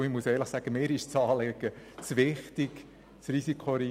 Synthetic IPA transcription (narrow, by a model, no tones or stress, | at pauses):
ɪχmuəsɛːləχsæɡ̥əmɪːɾɪʃt͡sɑːlɛɡ̥ət͡sʋɪχtɪk | t͡srisikʰoɾi